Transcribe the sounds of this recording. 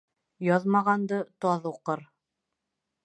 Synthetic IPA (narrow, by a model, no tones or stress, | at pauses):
jɒðmɑʁɑnd̪ɤt̪ɒðuqɤɾ